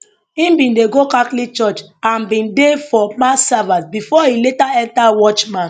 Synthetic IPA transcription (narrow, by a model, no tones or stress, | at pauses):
ĩmbĩndeɡokãklit͡ʃɔt͡ʃãnbĩndefɔmasavãsbifɔiletaɛ̃ntawɔt͡ʃmãn